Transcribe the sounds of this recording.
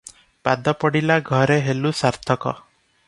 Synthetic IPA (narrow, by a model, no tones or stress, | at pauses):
pad̪ɔpɔɽilaɡʱɔɾeɦelusaɾt̪ʰɔkɔ̰